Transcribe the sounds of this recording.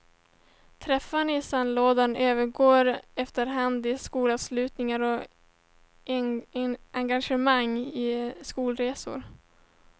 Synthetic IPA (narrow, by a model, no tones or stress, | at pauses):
t̪ʰɾɛfːanɪsanloːd̪anøːvəɾɡoːɾɛft̪əɾɦand̪ɪskuːlavslʉ̟ːt̪nɪŋaɾɔ | aŋɡaʂəmaŋːɪskuːlɾeːsʊ̰ɾ